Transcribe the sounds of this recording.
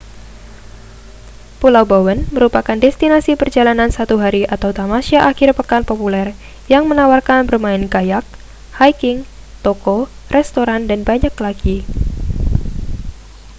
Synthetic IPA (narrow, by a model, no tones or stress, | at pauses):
pulawbawənməɾupakandɛst̪inasipərd͡ʒalanansat̪uɦaɾiʔat̪awt̪amasiaʔakɪrpəkanpopulɛr | jaŋmənawarkanbərmaɪnɡajak̚ | hajkɪŋ | t̪oko | rɛst̪oɾandanbaɲaklaɡi